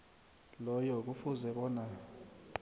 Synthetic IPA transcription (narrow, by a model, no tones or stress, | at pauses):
lɔjɔk̬ufuzɛɓɔːna